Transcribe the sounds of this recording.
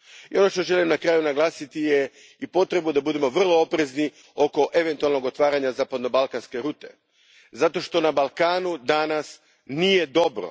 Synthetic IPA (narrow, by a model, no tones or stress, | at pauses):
io̞no̞ʃt̪o̞ʒe̞limnakɾaːjunaɡlˠaːsit̪ije | ipo̞t̪ɾe̞bud̪abud̪e̞mo̞ʋr̩lˠo̞opɾe̞zni | o̞ko̞ʔe̞ʋe̞nt̪ualˠno̞ɡo̞t̪ʋaːɾaɲazaːpad̪no̞balˠkanske̞ɾuːt̪e̞̰ | zat̪o̞ʃt̪o̞nabalˠkaːnud̪anas | nije̞d̪o̞bɾo̰